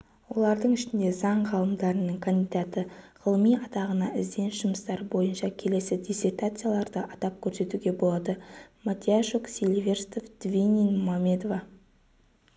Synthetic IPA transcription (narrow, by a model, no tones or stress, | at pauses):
wo̞lˠɑɾd̪əɴɪʃɪnd̪e̞zɑɴʁɑlˠəmd̪ɑɾənəɴkʰand̪ijd̪at̪əʁ̥əlˠəmijɑt̪ɑʁənɑʔɪzd̪e̞nʃʊməst̪ɑɾbo̞jənʃɑkʲʰe̞le̞sɪd̪ʲise̞rt̪at̪sɨjalˠɑɾd̪əʔɑt̪ɑp̚kʲʰɵɾse̞t̪uɡʲe̞bo̞lˠɑd̪əmat̪ʲiaʃoksʲilʲvʲe̞rst̪ofd̪̥vʲinʲinoamʲːe̞d̪ova